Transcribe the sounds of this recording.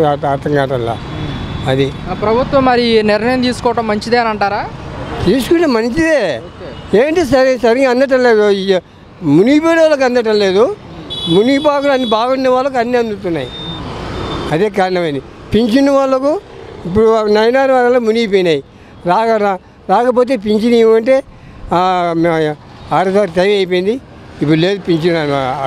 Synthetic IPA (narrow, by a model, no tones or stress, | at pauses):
aaɾt̪ɐŋɡaːʈɐlːa̰ | ɐd̪iaːpɾɐbʱut̪ʋɐmːɐɾinɪɾnɐjɐmt̪iːsu̥kɔːʋɐʈɐmːɐɲt͡ʃid̪eːɐnɐɳʈaːɾaːt̪iːsu̥kunːeːmɐnt͡ʃid̪eːokːeːʋɐɳʈeːsɐɾsɐɾiŋɡɐnd̪ɐʈ̬ɐlːeːɡoɐ | munip̬eːnʋaːlːɐk̬ɐnd̪ɐʈ̬ɐlːe̞ːd̪u | munip̬aːkulɐnːibaːɡɐnːɐʋaːlːɐk̬ɐnːiɐnd̪ut̪unːa̰ːji | ɐd̪eːk̬aːɾɐɳɐmɐnipiɲt͡ʃinːɐʋaːlːɐkuip̬ːuɽunɐjnaːɾʋaːɾɐlːɐmuniipejnaːji | ɾaːkɐɾa | ɾaːkɐp̬o̞ːt̪̬e̞ːp̬iɲt͡ʃiniɐɳʈe̞ː | aːɾɐsaːɾt̪ɐjʋɐjpejnd̪i | ip̬ːule̞ːd̪upiɲt͡ʃin